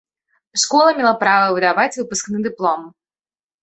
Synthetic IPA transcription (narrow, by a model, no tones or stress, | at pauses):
ʂkɔlˠɐmʲɛlˠapɾavɐvɨd̪avat͡sʲvɨpʊsknɨd̪ɨplˠɔm